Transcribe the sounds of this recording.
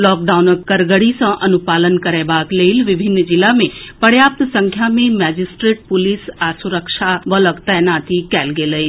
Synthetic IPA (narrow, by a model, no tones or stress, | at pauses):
lɔːk̚ɖaːunəkːəɾɡəɽisãʔɐnupaːlənkɐɾɛbaːkleːlʋɪbʱɪnːd͡ʒɪlːamẽpɐɽjaːp̚t̪sə̃ŋkʰjamẽmɛːd͡ʒisʈɾeːʈ̚pʊlisasuɾəkʃaʋələkt̪ɛjnaːt̪ikɛːlɡeləi